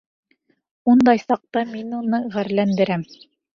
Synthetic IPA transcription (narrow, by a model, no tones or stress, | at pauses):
und̪ɑjsɑq̚t̪ɑminunɤʁæɾlænd̪ɘ̆ɾæm